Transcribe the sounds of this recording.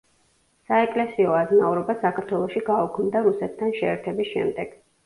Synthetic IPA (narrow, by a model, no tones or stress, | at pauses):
saɛkʼlɛsiɔaznauɾɔbasakʰaɾt̪ʰwɛlˠɔʃiɡaukʰmd̪aɾusɛt̪ʰːanʃɛːɾt̪ʰɛbisʃɛ̰md̪ɛɡ̥